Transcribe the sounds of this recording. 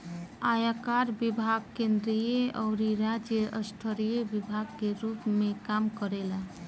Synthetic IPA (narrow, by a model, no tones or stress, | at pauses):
ajakaɾbibʱaɡ̚kend̪ɾijeʔɔɾiɾad͡ʒjəʔəsʈʰəɾijebibʱaɡkeɾupmekamkəɾela